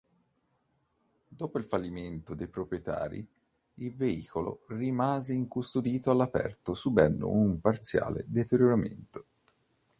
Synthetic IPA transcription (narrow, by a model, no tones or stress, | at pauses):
d̪oːpoilfalːiment̪od̪ejpɾopɾijet̪a̰ːɾḭ | ilveiːkolo̰rimaːzeiŋkust̪od̪iːt̪oalːapɛ̰rt̪osubɛnːo̰umpart̪sja̰ːlḛd̪et̪eɾjoɾamḛnt̪o̥